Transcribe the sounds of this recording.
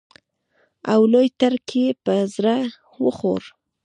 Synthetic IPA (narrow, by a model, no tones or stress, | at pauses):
awlojt̪aɾkʰepəzɾa | wəxo̰ɾ